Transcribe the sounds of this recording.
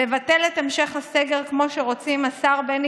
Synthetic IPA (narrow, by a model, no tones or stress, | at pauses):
evatelet̪emʃe̞χhaseɡeʁkmo̞ʃeʁo̞t͡simasaʁben